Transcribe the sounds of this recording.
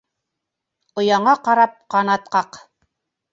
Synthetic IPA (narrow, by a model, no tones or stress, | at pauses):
ŏjɑɴɑqɑɾɑp̚qɑnɑt̪̚qɑq